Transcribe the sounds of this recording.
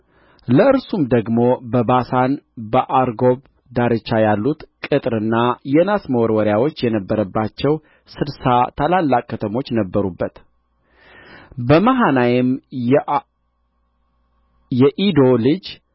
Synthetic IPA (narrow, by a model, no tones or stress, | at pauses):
ləɨɾsumd̪əɡmo̞bəbasanbəʔaɾɡo̞b | d̪aɾɨt͡ʃːajalːut̪kʼɨt̪ʼɾɨnːajɛnasməwɔɾwɔɾɪjawo̞t͡ʃːjɛnəbːəɾəbːat͡ʃːɛw | sɨlsat̪ʰalalːakʼkːət̪ʰəmo̞t͡ʃːnəbːəɾubːət̪ | bəmaɦanajɛm | jɛʔid̪o̞lɨd͡ʒ